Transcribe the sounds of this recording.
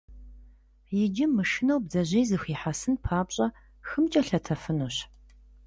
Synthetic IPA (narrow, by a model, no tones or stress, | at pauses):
jɪd͡ʒɪmːɨʃɪnowbzɐʑejzɨxʷiːħasɨnpʰaːpɕʼɐ | xɨmt͡ʃʼɐɬɐtʰɐfɨnuːɕ